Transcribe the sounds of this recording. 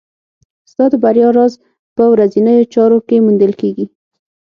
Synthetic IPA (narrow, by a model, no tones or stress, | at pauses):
z̥t̪ɑd̪əbaɾjɑɾɑz | pəwɾazinəjot͡ʃɑɾokemund̪əlkeɡi